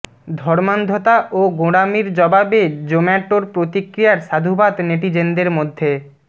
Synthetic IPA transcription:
d̪ʱɔɾmand̪ʱot̪aʔoɡoɽamiɾd͡ʑɔbabed͡ʑomɛʈːoɾpɾot̪ikɾijaɾʃad̪ʱubat̪neʈid͡ʑend̪eɾmod̪ʱːe

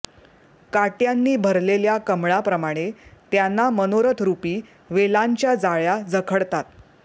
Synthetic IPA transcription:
kaʈjanːiːbʱəɾleljakəmɭapɾəmaɽ̃et̪janːamənoɾət̪ʰɾupiː | ʋelaɲt͡ɕjad͡zaɭjad͡zəkʰəɭt̪at̪̚

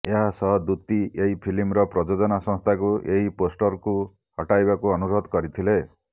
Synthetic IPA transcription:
eɦasɔɦɔd̪ut̪ieɦipʰilimɾɔpɾɔd͡ʒod͡ʒɔnasɔ̃st̪ʰakueɦiposʈɔɾku | ɦɔʈajbakuɔnuɾɔd̪kɔɾit̪ʰile

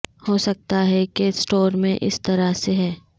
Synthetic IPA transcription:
hoːsɐk̚t̪aɦɛkesʈoːɾmẽʔɪ̰st̪ɐɾaseɦɛː

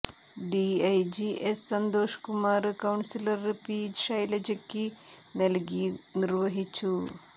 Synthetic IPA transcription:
ɖiɐjd͡ʑiʔesːɐnd̪oːʂkumaːɾɨkɐwɳsilɐrpiːd͡ʒʂɐjlɐd͡ʑekːinɐlɡinirʋɐɦit͡ʃːu

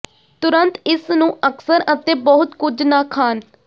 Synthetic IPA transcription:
t̪ʊɾənt̪ɪsnũːʔəksəɾət̪ẽːbɔːɦʊt̪kʊd͡ʒnaːkʰaːn

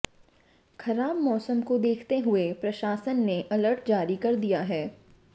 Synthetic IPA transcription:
xɐɾaːbmɔːsəmkod̪eːkʰt̪eɦʊepɾɐʃaːsənːeʔɐləɾʈd͡ʒaːɾikɐɾd̪ijaɦɛː

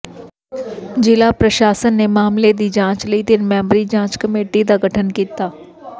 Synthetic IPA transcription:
d͡ʒɪlaːpɾəʃaːsənːeːmaːmled̪iːd͡ʒãːt͡ʃləiːd̪ɪnmɛ̃ːmbɾiːd͡ʒãːt͡ʃkəmeːʈid̪aːɡəʈʰənkiːt̪aː

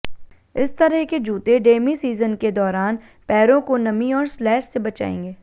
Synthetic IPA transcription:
ɪst̪ɐɾəɦked͡ʒuːt̪eɖeːmisiːzənked̪ɔːɾaːn | pɛːɾõkonɐmiɔːɾslɛːʃsebɐt͡ʃa̰ːḛ̃ːŋɡeː

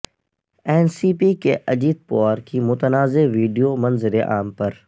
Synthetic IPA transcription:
eːnsiːpiːkʰeːʔɐd͡ʑiːt̪̚poaɾkʰiːmʊt̪ənaːzeʋiːɖijomɐnzɪɾeʔa̰ːmpɐɾ

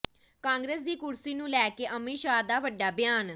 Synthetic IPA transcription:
kãːŋɡɾeːs̬d̪iːkʊɾsiːnũːlɛːkeːʔəmeːʃaːd̪aːʋəɖːaːbjaːn

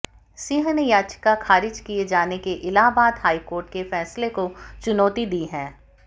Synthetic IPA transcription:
siɦənejaːt͡ʃə̥kakʰaːɾɪd͡ʒkied͡ʒaːnekeʔɪlaːbaːd̪ɦaːikoːɾʈ̚kefɛːslekot͡ʃʊnɔːt̪id̪iːɦɛ̃ː

